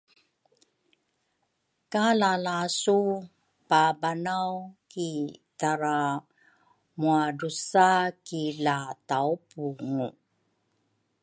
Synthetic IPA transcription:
kalalasu | pabanawkitaɾa | muadusakilataupuŋu

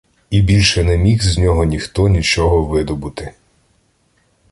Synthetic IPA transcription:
ibʲilʲʃɛnɛmʲixzʲnʲɔɦɔnʲixt̪ɔnʲit͡ʃɔɦɔʋɪd̪ɔbut̪ɪ

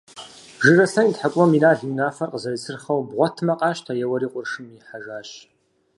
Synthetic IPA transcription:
ʒɨrɐsɐintħakʷʼɔminaːɮunaːfɐrqəzɐrisʰɨrχɐwbʁʷɔtʰmɐqʼɑːɕtʰajɛwɐɾiːqʷʼʊrʂɨmiħaʒaːɕ

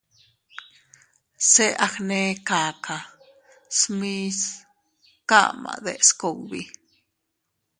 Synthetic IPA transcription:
seʔaxnekaːka | smis | ka̰ma̰d̪eʔskowbḭ

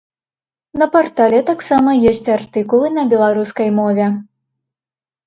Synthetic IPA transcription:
nɐpɔrt̪alʲɛt̪aksamɐjesʲt͡sʲart̪ɨkulˠɨnɐbʲɛlˠaɾuskɐjmɔvʲɛ

